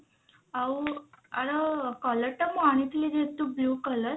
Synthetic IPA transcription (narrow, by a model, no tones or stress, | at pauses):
auaɽəkɔləɾʈəmaɽ̃it̪liɾet̪ubluːkələɾ